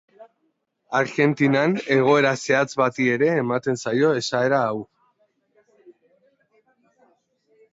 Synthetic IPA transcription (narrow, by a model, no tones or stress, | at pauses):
aɾɣe̞nt̪inane̞ɣ̞o̞e̞ɾase̞at͡sβat̪ie̞ɾe̞ːmat̪e̞nsajo̞e̞sae̞ɾaːw